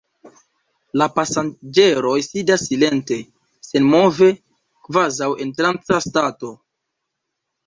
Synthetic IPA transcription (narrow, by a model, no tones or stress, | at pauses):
lapasand͡ʒe̞ɾo̞jsidasːile̞nte̞ | se̞nmo̞ve̞ | kvazawe̞ntɾant͡sastato̞